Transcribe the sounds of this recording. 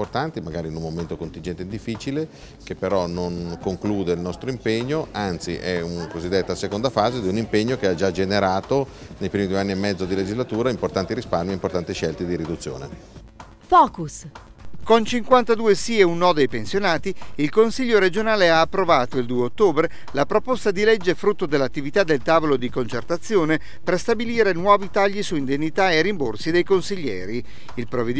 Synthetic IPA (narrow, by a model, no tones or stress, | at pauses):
ort̪ant̪imaɡaːɾiːnunmoment̪okont̪ind͡ʒɛnt̪eind̪ifːit͡ʃile | kepːeɾɔnoŋkoŋkluːd̪eilnɔst̪ɾoimpeɲːoʔant̪sḭʔɛunakozid̪ːet̪ːasekond̪afaːzed̪iunimpeɲːokead͡ʒad͡ʒeneɾaːt̪onejpɾimid̪ueanːiemːɛd̪zːod̪iled͡ʒizlat̪uːɾaimport̪ant̪iɾispaɾmieimport̪ant̪iʃɛlt̪id̪iɾid̪ut̪sːjo̰ːnḛ | fɔːkus | kont͡ʃiŋkwant̪ad̪uːesieunːɔd̪ejpensjonaːt̪iilkonsiʎːoɾed͡ʒonaːleaːpːɾovaːt̪oild̪uːeot̪ːoːbɾe | lapɾopost̪ad̪ilɛd͡ʒːefɾut̪ːod̪elːat̪ːivit̪ad̪ːelt̪aːvolod̪ikont͡ʃert̪at̪sːjoːne | perst̪abiliːɾenwɔːvit̪aʎːisuind̪enːit̪aerimborsid̪ejkonsiʎːɛːɾi | ilpɾoved̪